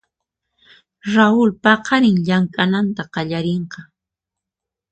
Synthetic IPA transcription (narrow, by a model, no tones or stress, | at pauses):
ɾaʊlpɑqʰɑɾɪŋʎaŋkʼanant̪aqɑʎaɾeɴqɑ